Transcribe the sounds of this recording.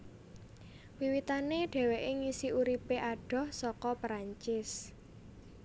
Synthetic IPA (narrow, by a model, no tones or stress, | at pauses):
wiwit̪aneɖ̥ɛ̤weʔeŋisiuɾipeʔaɖ̥ɔ̤hsɔkɔpɾaɲt͡ʃɪs